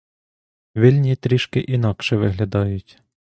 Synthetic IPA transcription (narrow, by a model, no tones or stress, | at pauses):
ʋʲilʲnʲit̪ɾʲiʃkɪʔinɑkʃɛʋɪɦlʲɐd̪ɑjʊtʲ